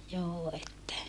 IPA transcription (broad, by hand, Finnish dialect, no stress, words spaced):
joː etːæ